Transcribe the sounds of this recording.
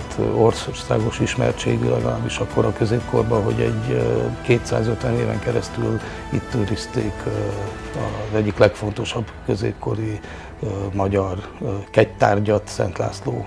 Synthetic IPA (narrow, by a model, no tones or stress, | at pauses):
t̪ʰo̞rsrsaːɡo̞ʃiʃmɛ̰rt͡ʃḛːɡylɛɡɒlaːbːiʃɒkːo̞ɾɒkø̞zeːp̚kʰo̞rbɒɦo̞̰ɟɛ̰ɟkeːt̪sa̰ːzøt̪ʋɛneːvɛ̰ŋkɛɾɛst̪yl | it̪ːøːɾist̪eːk | ɒzɛɟːiklɛkfo̞nt̪o̞ʃɒbkø̞zeːpko̞ɾi | mɒɟɒr | kɛct̪aːrɟɒt̪sɛ̰nt̪la̰ːsloː